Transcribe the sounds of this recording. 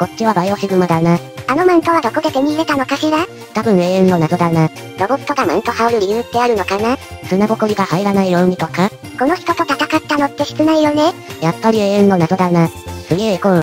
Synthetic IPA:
ko̞t͡ɕiβabajoɕiɡɯmad̪ana | ano̞mãnt̪o̞βad̪o̞kod̪e̞t̪em̟ʲiɾet̪ano̞kaɕiɾa | t̪abɯ̟̃ɰ̃eːẽnːo̞nad̪o̞d̪ana | ɾo̞bo̥t̪o̞ɡamã̰nt̪o̞haoɾɯ̟ɾʲiɯt̪ːe̞aɾɯ̟no̞kanasɨnaɡo̞koɾʲiɡahaiɾanaijomʲit̪o̞kako̞no̞çi̥t̪o̞t̪o̞k̪at̪akat̪ːanot̪ːe̞ɕi̥t͡sɨnaijo̞nejapːaɾʲie̞ːẽnːo̞nad̪o̞d̪anasɨɡekõ

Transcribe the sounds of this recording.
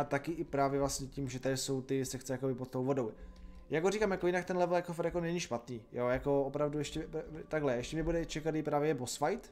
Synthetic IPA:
at̪akɪʔɪpɾaːvjɛvlastɲɛcimʒɛt̪adɪso̞wt̪ɪsɛxt͡sɛjakobɪpot̪̚t̪owvo̞do̞w | jaɡorikaːmjakojɪnakt̪ɛnlɛvl̩jakofaɾjakonɛɲiʃpat̪niːjojako̞opɾavdujɛʃcɛt̪aɡlɛɛʃcɛmɲɛbudɛt͡ʃɛkad̪ɪpɾaːvjɛbosfajt̪

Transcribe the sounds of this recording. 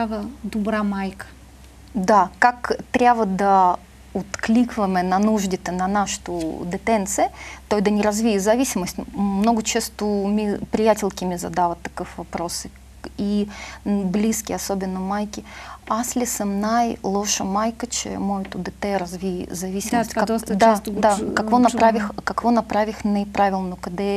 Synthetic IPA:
avəd̪ʊbɾamajkə̥ | d̪akakt̪ɾʲavəd̪ɐ | ʊt̪klʲikvəməjnɐnuʐdʲɪt̪ənɐnaʂɨ̥t̪ʊd̪ɨt̪ɛnt̪sɨjət̪ojd̪ənʲɪɾɐzvʲijzɐvʲisʲɪməsʲtʲmnoɡʊt͡ɕest̪ʊmʲɪpɾʲɪjatʲɪlʲkʲɪmʲɪzɐ̰d̪avət̪ːɐkɨfvɐpɾo̞sɨ | i | blʲiskʲɪɐsobʲɪnːəmajkʲɪaslʲɪsɨmnajlˠoʂəmajkət͡ɕɪ̰mojʊt̪ud̪ət̪ɛɾɐzvʲizɐvʲisʲɪmsʲt̪̚ʲkɐtd̪d̪akɐkvonɐppɾavʲɪxkɐkvonɐpɾavʲɪxnəpɾʔavʲɪlˠnʊkəd̪ɛ

